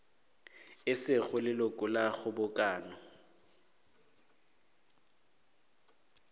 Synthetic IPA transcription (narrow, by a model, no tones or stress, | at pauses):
ɪsɪɣʊlɪlʊkʼʊlaɣʊbʊkʼaːnɔ